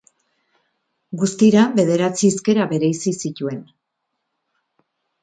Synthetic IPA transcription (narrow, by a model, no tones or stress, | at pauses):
ɡust̪iɾaβe̞ð̞e̞ɾat͡siske̞ɾaβe̞ɾeisisit̪ue̞n